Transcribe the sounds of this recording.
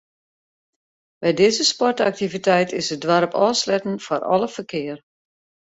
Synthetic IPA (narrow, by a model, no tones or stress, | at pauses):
bɛjdɪzəspɔrta̰k̚tivitɛjtʰɪsədʋaɾəpɔːslɛtn̩fɔrɔ̰lˠəfərkʰɪər